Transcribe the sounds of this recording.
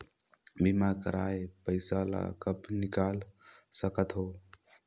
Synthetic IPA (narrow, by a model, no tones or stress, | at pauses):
bimakəɾa̰jpəɪsala̰kəpnikalsəkət̪ɦoː